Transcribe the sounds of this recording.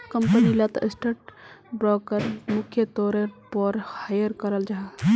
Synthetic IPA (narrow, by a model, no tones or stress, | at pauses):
kɐmpənilɐt̪ɪsʈəʈ̚bɾɔːkəɾmʊkʰjət̪ɔːɾepəɾhajəɾkəɾəld͡ʒaɦ